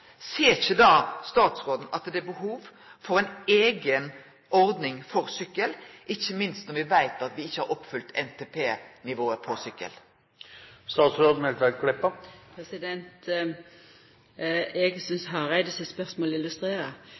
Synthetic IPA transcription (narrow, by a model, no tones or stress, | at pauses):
seːɪçəd̪ɑːst̪ɑːt̪sʁoːd̪n̩ʔɑt̪d̪ɛæbəɦuːʋ | fɔɾæɪneːɡən | ɔɾd̪nɪŋfɔɾsʏkːəlʔɪçːəmɪnst̪nɔɾʋɪʋæɪt̪ɑt̪ʋɪɪçːəhɑɾʔɔpːfʉlt̪ʰɛnt̪ʰeːpʰeːnɪʋoːəpʰɔsʏkːə̰l | st̪ɑːt̪sɾoːd̪n̩ɛlt̪ʋælkʰɽɛpːəpʰɾɛsɪd̪ɛnt̪ | ɛɡsʏnsɦɑɾæɪd̪əsɛspœʁsmoːlɪlʉst̪ɾeːɾə